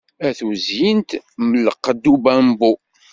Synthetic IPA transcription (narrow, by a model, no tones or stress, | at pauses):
æθuzjint̪məlqːəd̪ːubæmbu